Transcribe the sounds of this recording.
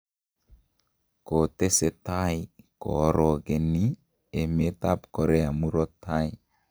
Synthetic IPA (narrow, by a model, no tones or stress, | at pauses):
kot̪eset̪ajkɔ̰ɾɔɡeni | emet̪apkɔɾeamuɾɔt̪ʰːaj